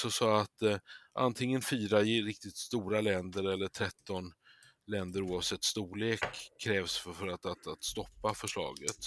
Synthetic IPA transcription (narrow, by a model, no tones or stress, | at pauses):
sɔsɔat̪ʔa̰nt̪ʰɪŋːənfyːɾaɪɾɪk̚t̪ɪt̪st̪uːɾalɛnd̪əɾɛlːəʈʰɾɛt̪ːɔn | lɛnd̪əɾuːavsɛt̪ːst̪uːɭeːkʰːɾɛːvsffœɾat̪at̪at̪st̪ɔpːafœʂɭɑ̰ːɡət̪